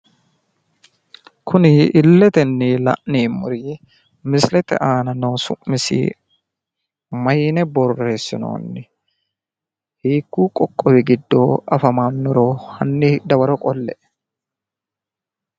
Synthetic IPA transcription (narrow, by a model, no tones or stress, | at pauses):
kʰʊnɪɪlːɛt̪ɛnːɪlɐ̰ʔniːmʊ̰ɾiː | mɪslɛt̪ɛ̰ʔaːnɐnoːsʊ̰ʔmːɪsɪ̰ | mɐjnɛbɔrːe̞ːsːɪ̰no̰ːnːɪ | hiːkːuːkʼɔkʼːɔwɪɡɪd̪ːoːɐfɐmaːnːɔɾoːhɐ̰nːɪd̪ɐwɐɾɔkʼɔlːɛʔ